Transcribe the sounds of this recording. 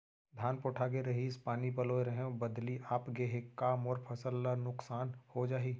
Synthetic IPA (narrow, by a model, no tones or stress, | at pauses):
d̪ʱaːnpoːʈʰaɡeɾɐɦiːspaːnipɐloːɾəɦẽbɐd̪liʔaːpɡeɦekaːmɔːɾpʰɐsəlːanʊksaːnhod͡ʒaːɦiː